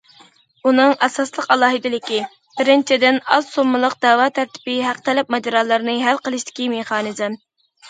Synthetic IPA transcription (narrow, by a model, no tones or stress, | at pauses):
unɨŋɛsɑslˠəqɑlˠɑːɦɨd̪ɪlɪkʲi | b̥ɪɾɪnt͡ʃʰid̪ɪnɑzsomːɨlˠəq̚d̪ɛwɑt̪ʰæɾt̪ʰɪ̥pɪɦæqt̪ʰɛlɛp̚mɛd͡ʒɑɾɑlˠɨɾnɨɦælqəlˠɨʃt̪ɪ̥kʲimeχɑːnɨzɨm